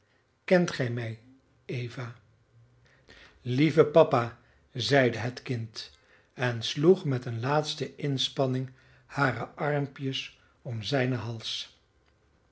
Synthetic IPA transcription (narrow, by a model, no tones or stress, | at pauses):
kɛntχɛjmɛj | ejvaː | livəpɑpaː | zɛjdəɦətkɪnt | ɛnsluχmɛtənlaːtstəʔɪnspɑnɪŋ | haːrəʔɑɹmpjəs | ɔmzɛjnəɦɑlˠs